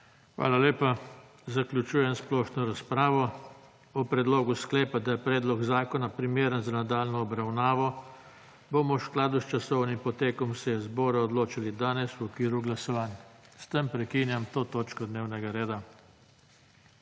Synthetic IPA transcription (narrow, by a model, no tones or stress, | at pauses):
xʋa̰ːlaleːpa | zaklʲjut͡ʃuːjɛnsplɔːʃnɔɾaspɾaːʋɔ | ɔpɾɛd̪loːɡusklɛːpad̪ajɛpɾɛːd̪lɔɡzaːkɔnapɾimeːɾənzanad̪aːlnɔːbɾawnaːʋɔ | bomɔwsklaːd̪ust͡ʃasɔwnimpɔt̪eːkɔmsɛjɛzbɔːɾaɔd̪loːt͡ʃilid̪aːnɛswɔkʋiːɾuɡlasɔʋaːnst̪ɛmpɾɛkiːnjamt̪oːt̪oːt͡ʃkɔd̪neːwnɛɡaɾeːd̪a